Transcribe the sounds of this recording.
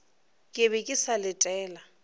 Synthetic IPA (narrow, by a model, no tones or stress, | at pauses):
kʼɪβekʼisalɪtʼɛːla